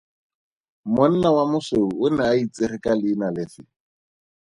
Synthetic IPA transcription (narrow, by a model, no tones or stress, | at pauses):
mʊn̩nawamʊseuʊnaːit͡sɪrɪkʼalɪːnalɪfɪ